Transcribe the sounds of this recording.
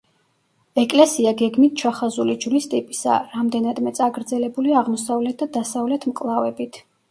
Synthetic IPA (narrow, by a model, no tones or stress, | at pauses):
ɛkʼlɛsiaɡɛɡmit̪̚ʰt͡ʃʰaχazulid͡ʒlist̪ʼipʼi̥sa̰ɾamd̪ɛnad̪mɛt̪sʼaɡɾd̪zɛlɛbuliaʁmɔsavlɛt̪̚ʰd̪ad̪asavlɛt̪ʰmkʼlˠavɛbit̪ʰ